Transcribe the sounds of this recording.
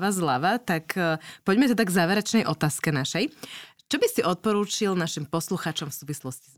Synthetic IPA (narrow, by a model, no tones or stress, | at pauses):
ʋazlaʋat̪akʰpɔɟmɛt̪ɛd̪aɡzaːʋɛɾɛt͡ʃnɛjʔɔt̪aːskɛnaʃɛj | t͡ʃɔbisiʔɔt̪̚pɔɾuːt͡ʃilnaʃimpɔsluxaːt͡ʃɔmfsuːʋislɔsciz